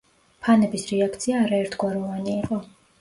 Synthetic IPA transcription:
pʰanɛbisɾɛakʰt̪sʰiaːɾaɛɾt̪ʰɡ̥waɾɔvaniːqʼɔ

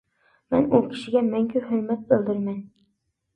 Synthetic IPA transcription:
manʊkʲʰɪ̥ʃɪɡʲamæŋkʲʰʊhɵɾmat̪̚bɵlˠd̪ɪɾman

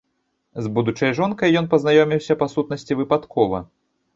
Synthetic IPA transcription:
zbud̪ut͡ʂɐjʐɔnkɐjːɔnpɐznajɔmʲiwsʲɐpasut̪̚nɐsʲt͡sʲivɨpat̪kʰɔvɐ̰

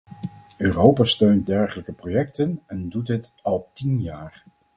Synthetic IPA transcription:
øːrowpaːstøɥnt̚dɛɹχələkəprojɛk̚tənɛndutɦətɑlˠtinjaːɹ

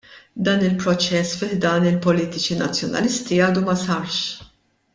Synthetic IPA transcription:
d̪ɐːnɪlpɾɔt͡ʃɛsːfɪħd̪ɐːnɪlpɔliːt̪ɪt͡ʃinɐt͡sːjɔnɐ̰lɪst̪iɐːd̪umɐsɐɾʃ

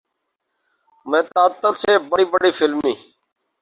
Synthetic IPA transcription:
mẽːt̪aːt̪ːəlseːbəɽiːbəɽiːfɪlmnĩː

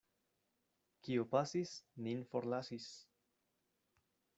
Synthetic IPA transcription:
kiopasisninfoɾlasis

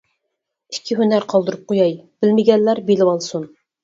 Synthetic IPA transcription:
i̥kʲʰːiɦynæɾqʰɑlˠd̪ɨɾup̚qʰojɑjb̥ɪlmɪɡʲɛnːæɾbelɪwɑlˠsun

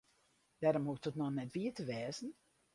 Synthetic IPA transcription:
d̥ɛɾɔmhuək̚tɔtnɔnɛtʋiətəʋɛːzən̩

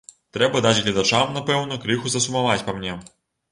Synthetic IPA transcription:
t̪ɾɛbɐd̪ad͡zʲɣlʲɐd̪at͡ʂamnapɛwnɐkɾɨxuzɐsumavat͡sʲpamnʲɛ

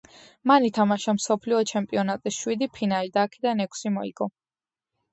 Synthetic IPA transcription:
manit̪ʰamaʃamsɔpʰliɔt͡ʃʰɛmpʼiɔnat̪ʼisʃwid̪ipʰinalid̪aːkʰɛd̪anɛkʷʰsimɔḭɡ̥ɔ

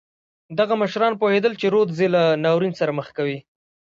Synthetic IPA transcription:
d̪aɣaməʃɾɑnpohed̪əlt͡ʃeɾod̪zelanɑwɾinsaɾaməxkawi

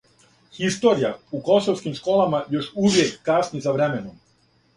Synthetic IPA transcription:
xist̪o̞ːɾijauko̞soʋskimʃkoːlˠamajo̞ʃuʋjekːasnɲizaʋɾemenom

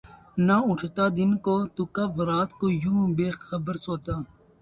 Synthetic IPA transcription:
naʊʈʰt̪aːd̪ɪnkot̪ukɐbɾaːt̪koːjũːbeːxəbəɾsoːt̪aː

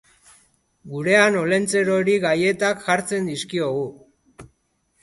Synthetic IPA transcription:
ɡuɾe̞ano̞le̞nt͡se̞ɾo̞ɾiɣaje̞t̪akʝaɾt͡se̞nd̪iskio̞ɣu

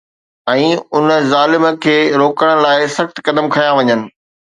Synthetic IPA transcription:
ɛ̃ːʊnəzaːlɪmkʰeːɾoːkəɽ̃̆laːɪsɐxt̪kɐd̪əmkʰɐjaʋɐɲənɪ̆

